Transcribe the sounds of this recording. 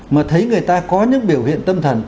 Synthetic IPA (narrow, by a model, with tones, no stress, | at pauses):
maː˨˩t̪ʰə˨˦jŋɨ˨˩əjt̪aː˧kɔ˨˦ɲɨ̰˧˥ŋɓi˧˩əwhḭ˧˨ənt̪ə˧mt̪ʰə˨˩n